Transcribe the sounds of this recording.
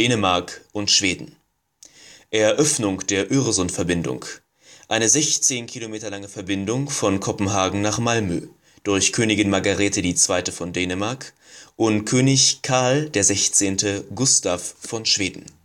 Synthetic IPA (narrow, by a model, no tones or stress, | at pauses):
d̥eːnəmaɐkʔʊntʃv̥eːdn̩ | ʔɛɐʔœfnʊŋd̥eːɐʔøːʁozɔnfɛɐbɪndʊ̰ŋ | ʔaɪnəzɛçt͡seːnkʰilomeːtɐlaŋəfɛɐbɪndʊŋfɔnkʰɔpm̩ɦaːɡŋ̩naːχmalmø̰ː | d̥ʊɐçkʰøːnɪɡɪnmaɐɡaʁɛːtədiːt͡sv̥aɪtəfɔndɛːnəmaɐk | ʔʊntkʰøːnɪçkʰaɐld̥eːɐzɛçt͡seːntəɡʊstafːɔnʃv̥eːdn̩